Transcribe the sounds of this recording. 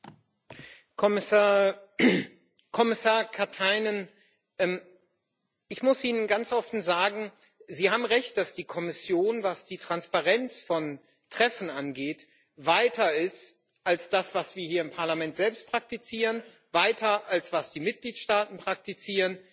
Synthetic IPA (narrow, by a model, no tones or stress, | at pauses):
kɔ | kʰɔmɪsaːɐkʰaɐtʰaɪnən | ʔɛm | ʔɪçmʊsʔiːnənɡant͡sʔɔfn̩zaːɡŋ̩ | ziːhaːbm̩ʁɛçt̚d̥asd̥iːkʰɔmɪsjoːnvasd̥iːtʁ̥anspaʁɛnt͡sfɔn | tʁ̥ɛfn̩anɡeːt | vaɪtʰɐɪst | ʔalsd̥asv̥asv̥iːɐhiːɐɪmpʰaɐlamɛntz̥ɛlpst̚pʁ̥ak̚tit͡siːʁən | vaɪtʰɐʔalsv̥asd̥iːmɪt̚ɡ̥liːtʃtaːtn̩pʁ̥ak̚tit͡siːʁən